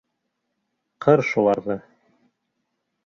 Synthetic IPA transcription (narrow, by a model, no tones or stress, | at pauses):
qʰɤɾʃulˠɑɾðɤ